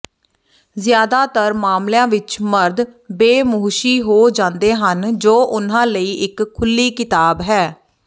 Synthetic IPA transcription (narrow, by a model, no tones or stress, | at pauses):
zjaːd̪aːt̪əɾmaːmljãːʋɪt͡ʃməɾd̪beːmoːʃiːɦoːd͡ʒãːnd̪eːɦənd͡ʒoːʔʊn̤ãːləiːʔɪkʰːʊlːiːkɪt̪aːbɦɛː